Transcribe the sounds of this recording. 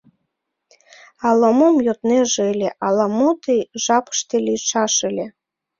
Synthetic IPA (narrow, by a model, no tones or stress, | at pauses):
ɑlomomjot̪neʒeelʲeʔɑlɑmot̪ejʒɑpə̥ʃt̪elʲiʃɑʃɨlʲe